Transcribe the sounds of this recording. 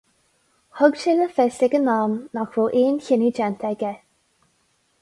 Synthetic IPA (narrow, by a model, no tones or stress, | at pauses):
hʊɡʃɪləfɛsɪɡənɑːmnaxvoːʔiːnçɪnid͡ʒɛnt̪ʰɛɡɛ